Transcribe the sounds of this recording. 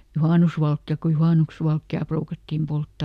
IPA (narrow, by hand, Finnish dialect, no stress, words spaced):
juhɑˑnusʋɑlkːiɑl̆k ku juhɑˑnuks ʋɑlkːiɑˑ pruːkɑtːim poltːɑˑ